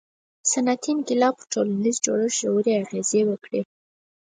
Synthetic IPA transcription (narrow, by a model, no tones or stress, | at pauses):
sanat̪ʰinɡɪlɑpəʈʰolanizd͡ʒoɽəʒʒawuɾeaɣezewəkɽe